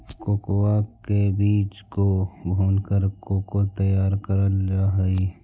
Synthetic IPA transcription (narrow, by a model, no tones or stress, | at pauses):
koːkowakebiːt͡ʃkobʱoːnkəɾkoːkot̪əjaːɾkəɾəlaɦi